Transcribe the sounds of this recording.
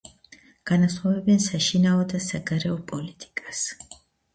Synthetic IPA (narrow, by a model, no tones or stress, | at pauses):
ɡ̥anasχavɛbɛnsaʃinaɔd̪asaɡaɾɛɔpʼɔlit̪ʼi̥kʼas